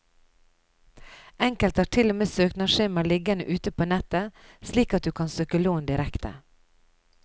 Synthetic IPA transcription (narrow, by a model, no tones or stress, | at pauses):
ʔɛŋkəlt̪hæːʈʰɪlomeːsøːknɑʃeːmɑlɪɡənə̰ʔʉːt̪əpʰoːnɛt̪əsliːkɑt̪̚d̪ʉːkʰɑnsøːkəloːnd̪ɪɾɛkt̪ʰə̰